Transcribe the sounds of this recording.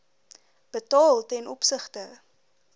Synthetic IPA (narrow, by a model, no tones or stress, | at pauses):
b̥ətɑːlˠtɛnɔpsəχtə